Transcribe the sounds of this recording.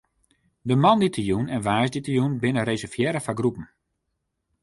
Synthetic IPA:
dəmɔnditʰəjunɛnʋaːsditəjunbɪnəresɛfjɛɾəfaɡrupn̩

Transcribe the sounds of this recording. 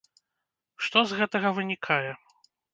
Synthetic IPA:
ʂt̪ɔzɣɛt̪ɐɣɐvɨnʲikʰajɛ

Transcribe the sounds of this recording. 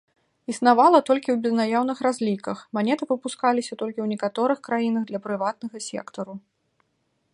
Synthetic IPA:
isnavalˠɐt̪ɔlʲkʲiwbʲɛznajawnɨxɾazʲlʲikɐxmanʲɛt̪ɨpɨpuskalʲisʲɐt̪ɔlʲkʲiwnʲɛkat̪ɔɾɨxkɾajinɐɣd̪lʲɐpɾɨvat̪̚nɐɣɐsʲɛ̰kt̪ɐɾu

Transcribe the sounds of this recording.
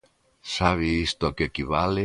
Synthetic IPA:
saβ̞iist̪oakekiβale

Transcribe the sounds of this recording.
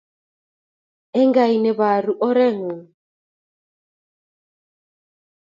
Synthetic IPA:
ɛŋɡajnɛβaɾuʔɔɾɛŋu

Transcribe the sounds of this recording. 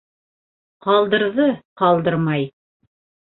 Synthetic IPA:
qɑlˠd̪ɤ̆ɾðɤqɑlˠd̪ɤɾmɑj

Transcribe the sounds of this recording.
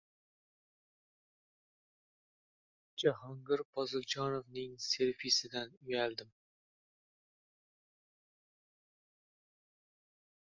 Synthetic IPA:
d͡ʒaɦɑŋɡɨɾpʰɒzɨlˠd͡ʒɑnovnɪŋseɾfisɪd̪ænyjæld̪ɪm

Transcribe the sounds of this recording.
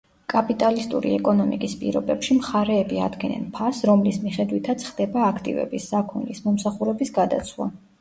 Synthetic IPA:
kʼapʼit̪ʼalist̪ʼṵɾḭɛkʼɔnɔmḭkʼispʼḭɾɔbɛpʃimχaɾɛːbia̰d̪ɡɛnɛ̰npʰasɾɔmlismiχɛd̪wit̪ʰat̪sʰχd̪ɛbaːkʰt̪ʼḭvɛ̰bisːakʰɔnlismɔmsaχuɾɛbisɡad̪a̰t̪sʰwa̰

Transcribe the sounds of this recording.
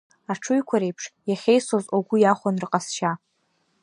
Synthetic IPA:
aʈ͡ʂʰʊjkʷʰaɾejpʰʂjaχʲejsozoɡʷʊjaχʷanrɨqʼasʃa

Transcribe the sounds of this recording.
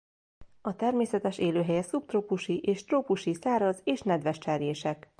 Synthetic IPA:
ɒt̪ɛrmeːsɛt̪ɛʃeːløːɦɛjɛsupt̪roːpuʃiʔeːʃt̪roːpuʃisaːɾɒzeːʃnɛd̪ʋɛʃt͡ʃɛrjeːʃɛk

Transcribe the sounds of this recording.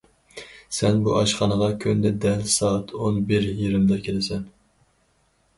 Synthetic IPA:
sɛnbuʔɑʃχɑnəʁɑkʲʰynd̪ɛd̪ɛlsɑːt̪ʰonbɪɾjiɾɪmd̪ɑkʲʰelɪsɛn

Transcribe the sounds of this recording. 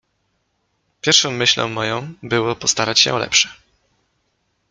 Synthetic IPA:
pʲjɛɾʂɔ̃w̃mːɘɕlɔ̰̃w̃mːɔjɔ̃w̃bɘwɔpɔst̪aɾat͡ɕɕɛ̰ɔlɛ̰pʂɛ̥

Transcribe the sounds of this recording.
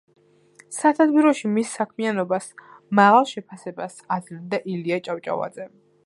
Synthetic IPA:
sat̪ʰad̪biɾɔʃimisːakʰmianɔbas | maʁalˠʃɛpʰasɛbasad̪zlind̪aʔiliat͡ʃʼawt͡ʃʼa̰va̰d̪zɛ

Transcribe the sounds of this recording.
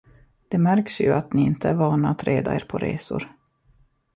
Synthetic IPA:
d̪̥ɛmæɾksjɵʔat̪nɪɪnt̪ʰəæɾvɑːnaat̪ɾʔeːd̪a̰eːɾpʰɔɾḛːsʊ̰ɾ

